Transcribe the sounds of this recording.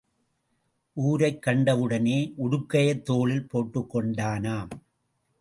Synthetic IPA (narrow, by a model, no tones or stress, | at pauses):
ʔuːɾɐɪkːɐɳɖɐʋɯɽɐneːʔʊɽʊkːɐjɐt̪ːoːɭɪlpoːʈːɯkːɔɳɖaːnaːm